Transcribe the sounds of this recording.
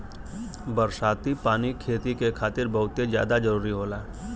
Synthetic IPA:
bəɾsaːt̪ipaːnikʰeːt̪ikekʰaːt̪ɪɾbɐɦʊt̪ezja̰ːd̪ad͡ʒəɾuːɾiɦoːlaː

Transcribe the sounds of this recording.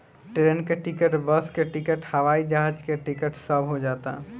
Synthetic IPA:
ʈeɾenkeʈɪkəʈbəskeʈɪkəʈhəʋaːid͡ʒaɦad͡ʒkeʈɪkəʈsəbʱɦod͡ʒaːt̪a̰ɦ

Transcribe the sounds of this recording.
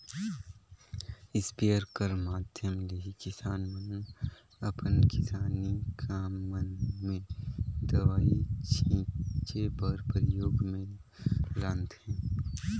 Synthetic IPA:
ɪspejəɾkəɾmaːd̪ʱjəmleikɪsaːnmən | ɐpənkɪsaːnikʰaːmːənmẽd̪ɐʋaːit͡ʃʰĩːt͡ʃebəɾpɾɪjoːɡmẽ | lãnt̪hɛ̃ː

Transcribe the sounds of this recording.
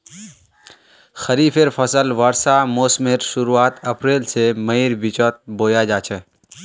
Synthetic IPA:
xɐɾiːfeɾfʰɐsəlʋaɾsamoːsmeɾʃʊɾuaːt̪ɐpɾeːlsemɐiɾbit͡ʃət̪̚boːjaːd͡ʒaːt͡ʃʰe

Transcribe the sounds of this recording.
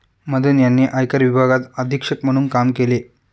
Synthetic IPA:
məd̪ʱənjanːeʔajkəɾʋibʱaɡat̪əd̪ʱikʂəkmɐɽuːnkamkele

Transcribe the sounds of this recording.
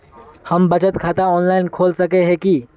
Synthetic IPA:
həmbət͡ʃət̪kʰat̪aɔnlaːɪnkʰoːlsəkeɦẽki

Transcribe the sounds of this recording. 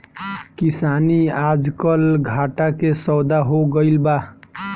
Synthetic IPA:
kisaniad͡ʒkəlɡʱaʈakesəd̪aɦoɡəɪlba

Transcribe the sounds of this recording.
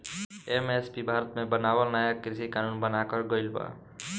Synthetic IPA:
emespibʱaɾət̪mẽbənawəlnajakɾisikanunbənakəɾɡəɪlba̰

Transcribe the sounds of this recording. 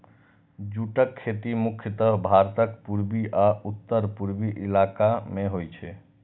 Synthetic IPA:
d͡ʒuʈəkʰːet̪imukʰjət̪əɦbʱaɾt̪əkpuɾbiʔaut̪ːəɾpuɾbiʔilakameɦojt͡ʃʰɛ

